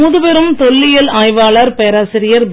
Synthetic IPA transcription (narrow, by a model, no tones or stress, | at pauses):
uːðɯpɛɾɯmt̪ɔɭːɪjɐlaːjʋaːɭaːɾpejɐɾaːsɪɾɪjɐɾb